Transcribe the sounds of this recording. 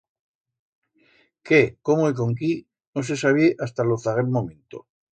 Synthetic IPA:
kekomoik̬o̞ŋk̬i | nos̬esaβ̞ieʔast̪aloθaɣelmomẽnt̪o̰

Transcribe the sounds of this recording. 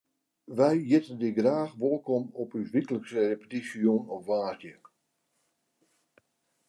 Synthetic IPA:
ʋɛjjɪtəndɪɡraːxʋolˠkɔmɔpysʋikələksərepə̥tisioːnɔfʋaːrdjə

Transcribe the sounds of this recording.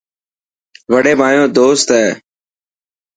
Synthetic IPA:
ʋəɽeːmaːjõːd̪oːst̪ɛː

